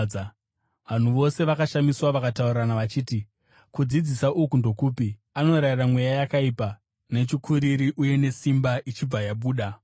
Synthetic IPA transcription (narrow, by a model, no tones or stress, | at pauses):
ʋan̤uʋo̞se̞ʋakaʃamiswaʋakatauriranaʋat͡ʃiːti | kud͡zid͡zisaʔukundo̞kuːpi | ano̞ɾairamwejajakaipa | ne̞t͡ʃikʰuɾiɾiʔuje̞ne̞simbaʔit͡ʃib͡vajaɓuːɗa